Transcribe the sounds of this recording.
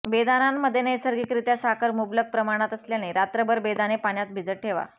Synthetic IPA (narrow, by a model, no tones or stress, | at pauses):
bed̪anamːəd̪ʱːjenəjsəɾɡikɾit̪jasakʰəɾmublək̚pɾəmaɽ̃at̪əsljaneɾat̪ɾəbəɾbed̪anepaɳjat̪̚bʱid͡zəʈ̚ʈʰeʋa̰